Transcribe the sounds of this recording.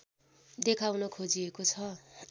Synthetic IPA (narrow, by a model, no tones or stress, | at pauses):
d̪ekʰawnʌkʰod͡ziekot͡sʰʌ